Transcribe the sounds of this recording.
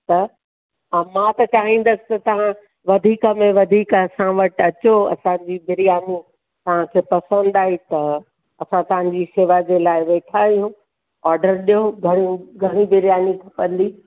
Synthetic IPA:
t̪ɐ | ãmãt̪ɐt͡ɕaːɦĩːn̆d̪əsɪ̥̆t̪ɐt̪ɐʋ̤ã | ʋɐd̪ʱiːkəmẽʋɐd̪ʱiːkɐsãʋɐʈɐt͡ɕoɐ̰sãd͡ʑiːbɪɾijaːni | t̪ɐʋ̤ãkʰeːpɐsə̃n̆d̪aːɦit̪ɐ | ɐsãt̪ɐʋ̤ãɲ̆d͡ʑiʃeʋad͡ʑelaːɪʋeːʈʰaːijũː | aːɾɖəɾɗijoɡʱɐɽ̃iɡʱɐɽ̃ibɪɾjaːnit̪ʰɐpə̃nd̪iː

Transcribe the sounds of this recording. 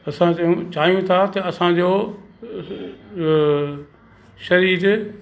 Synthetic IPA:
ɐsãũt͡ɕaːɦijũt̪ʰat̪ɐɐsãd͡ʑoː | ʃɐɾiːɾ

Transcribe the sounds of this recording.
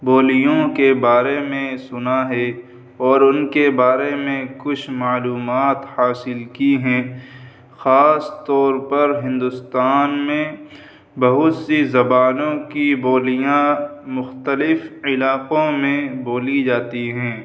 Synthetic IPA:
boːlijõkebaːɾemẽsʊnaɦɛ | ɔːɾʊnkebaːɾemẽkʊt͡ʃʰmaːluːmaːt̪haːsɪlkiɦɛ̃ː | xaːst̪ɔːɾpɐɾɦɪ̃nd̪ʊst̪aːnmẽ | bɐɦʊt̪sizɐbaːnõkiboːlijãmʊxt̪əlɪfɪlaːqõmẽboːlid͡ʒaːt̪iɦɛ̃ː

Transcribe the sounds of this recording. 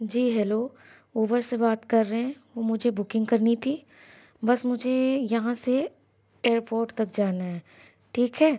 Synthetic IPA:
d͡ʒiːɦɛloː | uːbəɾsebaːt̪kɐɾːəɦɛ̃ʋoːmʊd͡ʒʱebʊkɪ̃ŋɡkɐɾnit̪ʰiː | bɐsmʊd͡ʒʱejɐɦãse | eːɾpoːɾʈt̪ɐk̚d͡ʒaːnaɦɛː | ʈʰiːkɦɛː

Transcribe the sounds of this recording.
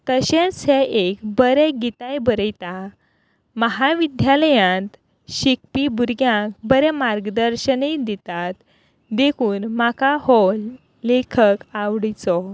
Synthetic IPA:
t̪əɕẽsɛʔekbəɾɛɡit̪ajbəɾəjt̪a | məɦaʋid̪ʱjaləjãnt̪ | ɕik̚pibuɾɡjãkbəɾɛmaɾɡəd̪əɾɕəned̪it̪at̪ | d̪ekʰuːnmakahɔl | lekʰəkaʋɽit͡sɔ

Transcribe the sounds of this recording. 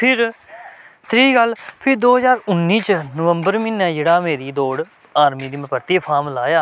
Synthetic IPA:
pʰɪɾ | t̪ɾiːɡəlpʰɪɾd̪oːɦəzaːɾʊnːiːt͡ʃnəʋəmbəɾminɛ̃ːd͡ʒeːɽaːmeːɾiːd̪oːɽ | aːɾmiːd̪iːməpəɾt̪iːpʰaːmlaːjaː

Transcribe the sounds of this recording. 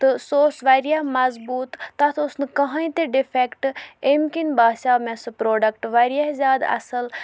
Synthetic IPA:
t̪ɨsoːsʋaɾijamɐzbuːt̪ːɐt̪ʰosnɨkɐɦɐ̃jĩt̪eɖipʰekʈemkinbaːʃaːmẽsɐpɾoːɖɐkʈʋaɾijaɦzʲaːd̪ɐ̰sɐl

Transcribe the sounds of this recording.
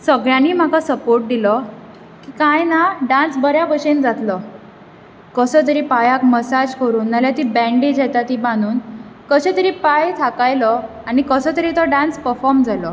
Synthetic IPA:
səɡɭjaniːm̤akasəpoɾʈ̚d̪ilɔ | kikajnaɖãnsbəɾjaʋəɕend͡zat̪lɔ | kəsət̪̬əɾipajakməsad͡ʑkəɾuːnːaljat̪ibɛ̃ɳɖid͡ʑɛt̪at̪ibãnuːnkəɕet̪əɾiːpajt̪ʰakajlɔ | aɽ̃ikəsət̪əɾit̪ɔɖãnspəɾfɔɾmd͡zalɔ

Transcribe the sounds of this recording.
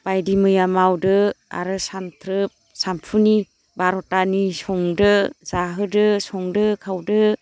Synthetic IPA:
b̥ajdimɯjamawdɯa̰ɾɯsamtʰɾɯp̚sampʰuni | baɾɔtanisɔŋdɯz̥aɦɯdɯsɔŋdɯkʰawdɯ

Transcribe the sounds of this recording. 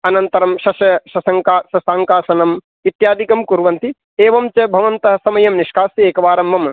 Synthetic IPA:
ɐnɐnt̪ɐɾɐmʃɐʃɐʃɐsɐŋkaːʃɐsaːŋkaːsɐnɐm | it̪jaːd̪ʱikɐmkuɾʋɐnt̪i | eːʋɐmt͡ʃɐbʱɐʋɐnt̪ɐɦɐ̆sɐmɐjɐmniʃkaːsjɐeːkɐʋaːɾɐmbɐm

